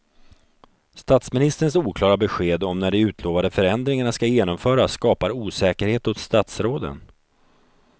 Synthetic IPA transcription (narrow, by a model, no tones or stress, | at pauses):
st̪at̪smɪnɪst̪əɾəns̬uːkʰlɑːɾabɛɧeːd̪ɔmnæɖɛʉ̟ːt̪ʰloːvad̪əfœɾɛnd̪ɾɪŋaɳaskajeːnɔmfœːɾasːkɑːpaɾuːsɛːkəɾheːt̪ʊt̪st̪at̪sɾoːd̪ə̰n